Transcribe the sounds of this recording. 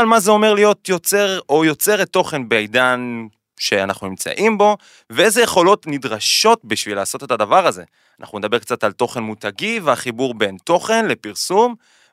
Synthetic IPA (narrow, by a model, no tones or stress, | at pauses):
almazeo̞me̞ʁlijo̞t̪jo̞t͡se̞ʁojo̞t͡se̞ʁetːo̞χe̞nbeajd̪an | ʃe̞anaχnunimt͡sa̰ʔimbo̞ | veejzeje̞χo̞lo̞tnidʁaʃo̞tbiʃvilaːso̞te̞tadavaʁaze̞̰ | ana̰χnuned̪abe̞ʁkt͡satalto̞χe̞nmutaɡiveaχibuʁbe̞nto̞χe̞nle̞piʁsum